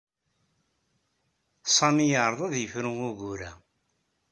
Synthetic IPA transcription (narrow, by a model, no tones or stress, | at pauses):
sˤɑmijəɾˤðˤɑðjəfɾəŋʊʝuɾæ